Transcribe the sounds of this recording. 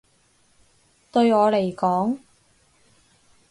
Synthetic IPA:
t̪ɵ˧ɥŋɔː˨˧le˨˩jkɔː˨˥ŋ

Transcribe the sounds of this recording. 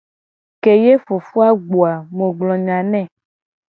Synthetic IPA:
ke˨je˦fo˨fu˦a˦ɡ͡bo˨a˨mõ˨ɡ͡blɔ̃˨ɲã˨nɛ̃˦˨

